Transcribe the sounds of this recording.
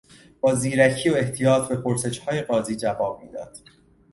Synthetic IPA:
b̥ɒːziːɾæcʰiːoe̞ht̪ʰijɒːt̪ʰbe̞pʰoɾse̞ʃhɒːje̞ɢɒːziːd͡ʒævɒːb̥̚mḭːd̪ɒ̰ːd̪̥

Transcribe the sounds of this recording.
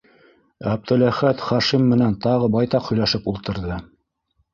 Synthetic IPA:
æb̚d̪ɘ̆læχæt̪χɑʃimːɘ̆nænt̪ɑʁɤbɑjt̪ɑqhɵ̆jlæʃɘpulˠt̪ɤ̆ɾðɤ

